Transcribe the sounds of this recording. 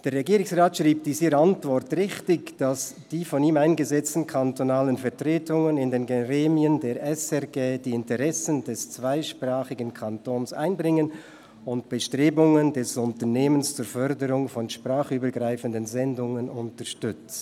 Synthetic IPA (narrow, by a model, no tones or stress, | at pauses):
d̥eːɐɾʁeɡiːɾɪŋsʁaːtʃriːp̚d̥iːsiːɾəantv̥ɔrtʁɪxtɪçd̥asd̥iːfɔniːmaɪnɡəzɛt͡stn̩kʰantonaːlənfɛɐtʁ̥eːtʊŋənɪndeːnɡeʁeːmiəndeːɾʔɛsɛʁɡeːdiːɪntəʁɛsəndɛst͡sv̥aɪʃpraːχɪɡənkʰantoːnsa̰ɪnbʁɪŋən | ʊntb̥əʃtʁ̥eːbʊŋəndɛsʊntəneːmənst͡suːɾfœɾdəɾʊŋfɔnʃprʁaːχyːbəɡʁaɪfəndənzɛndʊŋənʊntəʃtʏt͡s